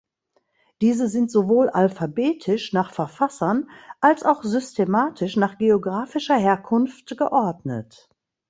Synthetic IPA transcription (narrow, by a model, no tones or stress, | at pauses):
d̥iːzəzɪntz̥ovoːlʔalfabeːtʰɪʃnaːχfɛɐfasɐnʔalsaʊxz̥ʏstʰemaːtʰɪʃnaːχɡ̥eoɡʁaːfɪʃɐɦeːɐkʰʊnftɡ̥əʔɔɐdnə̰t